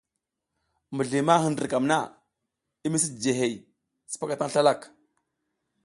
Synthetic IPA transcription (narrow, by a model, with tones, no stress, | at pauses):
mə˨ɮi˨ma˦ɦə˨ndə˨ɾka˨mna̰˦ | i˦mi˦s̬i˦˨d͡ʒe˨ɦe˨j | si̥˦pa˦ka˨ta˦ŋ˦ɬa˦la˦˨k